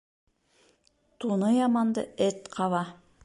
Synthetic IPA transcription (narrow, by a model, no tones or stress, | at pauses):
t̪unɤjɑmɑnd̪ɤ̰ɘt̪qʰɑβɑ